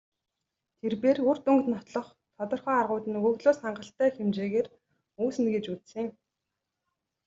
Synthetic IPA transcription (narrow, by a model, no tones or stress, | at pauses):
t̪ʰerpeːrɵr̥t̪ɵŋkt̪nɔt̪ɮɞ̆χ | t̪ʰɔt̪ɞ̆rχœːarʁʊːt̪ɘ̆nɵɣɮoːsχaɴɢə̆ɬt̪æːxemt͡ɕeːɣeːr | uːsɘ̆nɡet͡ɕut͡ssĭŋ